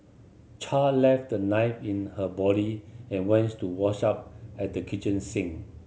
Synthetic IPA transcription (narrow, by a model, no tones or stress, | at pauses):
t͡ʃʰalɛft̚dənaɪfĩnhəbɔɾiɛ̃nwɛ̃nttuwɔʃap̚ɛt̚dəkʰit͡ʃə̃nsɪ̃ŋ